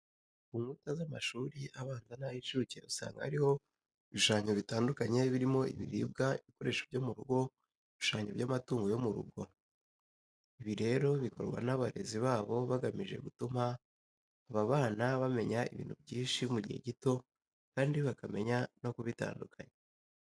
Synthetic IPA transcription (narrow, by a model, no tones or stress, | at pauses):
kuŋɡutazamaʃuːɾiʔaβaːnzanahit͡ʃucḛusa̰ːŋɡa̰ha̰ɾiho̞ | βiʃaːɲoβitaːndukaɲe̞βiɾimo̞ḭβḭɾḭːb̚ɡaiβiko̞ɾe̞ʃobjo̞muɾuɡo̞ | βiʃaːɲoβɟamatuːŋɡo̞jo̞muɾṵɡo̞ | iβiɾe̞ɾo̞βiko̞̰ɾɡwa̰naβaɾe̞ziβaːβo̞βaɡamiʒe̞̰ɡutuma | aβaβaːnaβame̞ɲaḭβḭːnhṵbɟiːnʃimuɟḭhe̞̰ɟito̞ | kaːndiβakame̞ɲano̞kuβita̰ːndukʰaɲe